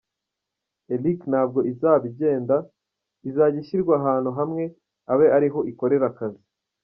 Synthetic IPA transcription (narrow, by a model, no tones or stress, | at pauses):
elikn̥aːb̚ɡo̞ʔizaːβiɟe̞ːnda | izaːɟiʃiɾɡwaɦaːn̥uɦamŋe̞ | aβe̞ʔaɾiɦo̞ʔiko̞ɾe̞ɾakazi